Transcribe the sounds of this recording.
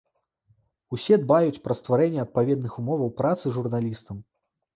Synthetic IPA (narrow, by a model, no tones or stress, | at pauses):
usʲɛd̪bajut͡sʲpɾɐst̪vaɾɛnʲːɛɐt̪̚pavʲɛd̪nɨxumɔvɐwpɾat̪sɨʐurnalʲist̪ɐm